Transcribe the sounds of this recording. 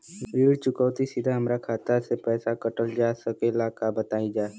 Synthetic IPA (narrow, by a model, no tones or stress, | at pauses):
ɾiːɽt͡ʃʊkəːt̪isɪd̪ʱaɦəmɾakʰaːt̪asepɛːsakəʈəld͡ʒaːsəkelaːkabət̪aːid͡ʒaː